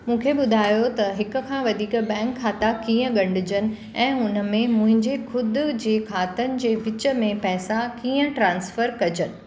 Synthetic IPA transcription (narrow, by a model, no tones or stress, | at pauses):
mũːkʰeɓʊd̪ʱaːjot̪ɐɦɪkʊ̆kʰãːʋɐd̪ʱiːkbɛ̃ːŋkʰːaːt̪akiːə̃ɠɐ̃ɳɖɪd͡ʑənɪ̆ | ɛ̃ːʊnə̆mẽmʊ̃ɦɪ̃ɲd͡ʑekʰʊd̪ʊd͡ʑeːkʰaːt̪ənɪ̆d͡ʑeːbɪt͡ɕə̆mẽpɛɦsakiːə̃ʈɾãːnsfəɾkɐd͡ʑənɪ̆